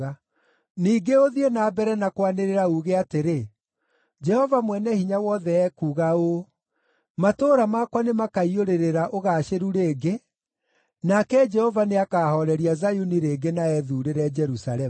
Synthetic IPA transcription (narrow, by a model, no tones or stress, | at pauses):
a | niːɡeoðienaːbɛɾɛnakwaneɾeɾauɣeateɾe | d͡ʒɛhɔvamwɛnɛhiɲawɔːðɛɛkuːɣao | matoːɾamakwanemakaioɾeɾeɾaʔoɣaːʃeɾuɾeːɡe | nakɛd͡ʒɛhɔvaneakaːhɔɾɛɾiazajuniɾeɡenaɛðuːɾeɾɛd͡ʒɛɾusaɾɛ